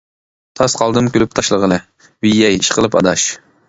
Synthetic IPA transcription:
t̪ʰɑsqʰɑlˠd̪ɨmkʲylyp̚t̪ʰɑʃlˠəʁəlˠɨ | wijːɛjiʃqʰəlˠɨpɑ̰d̪ɑʃ

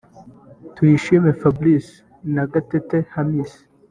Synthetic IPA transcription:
twiʃimefablis | naɡatetehamiːsi̥

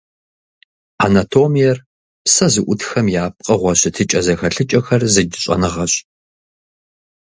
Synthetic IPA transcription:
a̰natʰoːmijɛr | psɐzɨʔʷʊtxɐmjaːp̚qʼɐʁʷɔɕɪtʰɨt͡ʃʼɐzɐxɐɬɨt͡ʃʼɐxɐrzɨdɨɕʼɐ̰nɨʁɐɕ

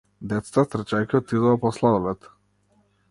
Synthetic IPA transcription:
d̪ɛt̪st̪at̪r̩t͡ʃajkʲiɔt̪id̪ɔɔpɔslˠad̪ɔlɛt̪

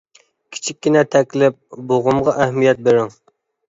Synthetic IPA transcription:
kʲʰi̥t͡ʃʰik̚ʲːinɛt̪ʰɛkʲlɪp̚boʁʊmʁɑʔæhmijɛt̪̚beɾɪŋ

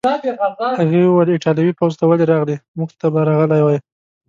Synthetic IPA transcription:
haɣewəlɪʈɑljɑwipawzt̪awaleɾɑɣlimuɡt̪abaɾɑɣəlajwaj

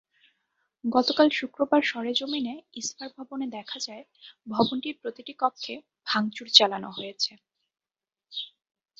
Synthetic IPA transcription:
ɡɔt̪okalʃukɾobaɾʃɔɾed͡ʑomineisfaɾbʱɔboned̪ɛkʰad͡ʑae | bʱɔbonʈiɾpɾot̪iʈikɔkʰːe | bʱaŋt͡ɕuɾt͡ɕalanoɦojet͡ɕʰe

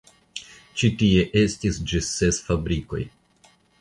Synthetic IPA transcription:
t͡ʃitie̞ʔe̞stisd͡ʒissesfabɾiko̞̰j

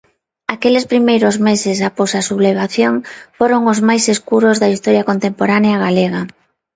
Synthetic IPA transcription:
akelespɾimejɾozmesesaposasuβleβ̞aθjoŋfoɾoŋozmajseskuɾozðɐist̪oɾjɐkont̪empoɾaneaɣaleɣa

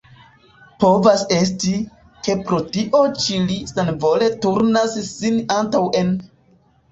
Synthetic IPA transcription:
po̞vase̞s̬ti | ke̞pɾo̞tiʔo̞t͡ʃilisanvo̞le̞tuɾnassinantawʔe̞n

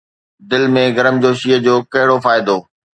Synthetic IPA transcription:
d̪ɪlmẽɡɐɾəmd͡ʑoːʃiəd͡ʑoːkɐɦɪɽofaːɪd̪oː

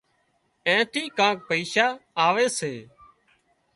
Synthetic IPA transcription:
ẽːʈ̪iːkãːk̚pəiːʃaːaːʋeːseː

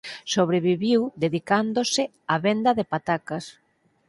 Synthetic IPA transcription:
soβ̞ɾeβiβiwd̪eðikand̪osɪ | aβend̪ɐðepat̪akɐs

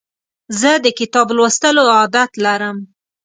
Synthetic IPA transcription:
zəd̪əkɪt̪ɑblwəst̪əloɑd̪at̪laɾəm

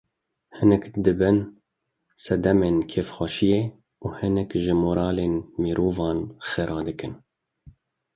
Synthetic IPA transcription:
hɨnɛkd̪ɨbɨn | sɛd̪ɛmeːnkʰeːfxʷɛʃijeː | uːhɨnɛkʒɨmoːɾɑːleːnmiɾʔoːvɑːnxeɾʔɑːd̪ɨkɨn

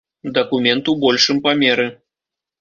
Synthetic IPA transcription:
d̪ɐkumʲɛnt̪ubɔlʲʂɨmpamʲɛɾɨ

